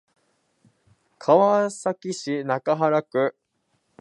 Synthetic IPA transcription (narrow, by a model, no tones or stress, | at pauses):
kʰaβasakʲiɕinakaɦaɾakɯ̟